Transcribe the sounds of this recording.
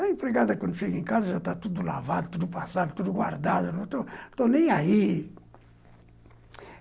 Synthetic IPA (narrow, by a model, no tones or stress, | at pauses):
aĩpɾeɡad̪ɐkwɐ̃nd̪ufikĩkazɐʒat̪at̪ud̪ula̰vad̪ut̪ud̪upasad̪ut̪ud̪uɡwa̰ɾd̪ad̪unɛ̃t̪ãt̪ãnẽj̃ai